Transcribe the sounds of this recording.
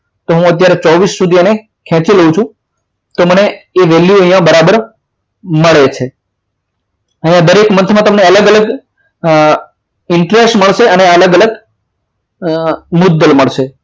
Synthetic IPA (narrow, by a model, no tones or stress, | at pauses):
t̪oɦũət̪̬jaɾet͡ʃɔʋisːud̪ʱiəne | kʰɛ̃t͡ʃiləɦũt͡ʃʰũ | t̪oməneːʋeljuəɦjãbəɾabəɾ | məɭet͡ʃʰe | əɦĩjãd̪əɾekmənt̪ʰmãt̪əmneələɡələɡ | ɪɳʈɾesʈməɭʃeəneələɡələɡ | mʊd̪ːəlməɭʃe